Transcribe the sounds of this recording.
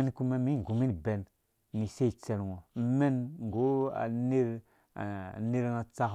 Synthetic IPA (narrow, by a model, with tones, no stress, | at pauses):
e˦nku˦ma˦mi˦ŋ˨ɡu˨mi˦n˨be˨n | ni˨se˦˨t͡se˨lŋo˨˦me˦nŋ˨ɡo˨˦a̰˨ne˦ɾ | ne˦ɾŋa˨t͡sa˦